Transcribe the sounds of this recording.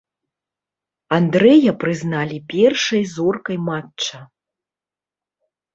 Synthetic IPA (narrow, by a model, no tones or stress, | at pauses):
and̪ɾɛjɐpɾɨznalʲipʲɛrʂɐjzɔrkɐjmatt͡ʂɐ